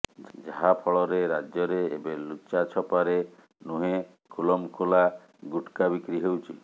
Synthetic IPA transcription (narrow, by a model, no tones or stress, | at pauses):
d͡ʒaɦapʰɔɭɔɾeɾad͡ʒjɔɾeːbelut͡ʃːat͡ʃʰɔpaɾe | nuɦe | kʰulɔmkʰula | ɡuʈkabikɾiɦewt͡ʃʰi